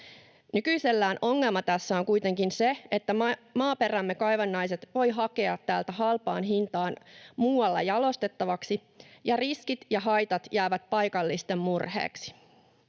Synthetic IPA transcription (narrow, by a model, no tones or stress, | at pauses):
nykyise̞lːæːno̞ŋːe̞lmɑt̪æsːæoŋkujt̪e̞ŋkinseet̪ːæmɑːpe̞ræmːe̞kɑjʋɑnːɑjse̞t̪ʋo̞jɦɑke̞ɑt̪ːæːlt̪æɦɑlpɑːnɦint̪ɑːnmuːwɑlːɑjɑlo̞st̪e̞t̪ːɑʋɑksi | jɑriskit̪jɑɦɑjt̪ɑt̪jæːʋæt̪̚pɑjkɑlːist̪e̞mmurhe̞̰ːksi̥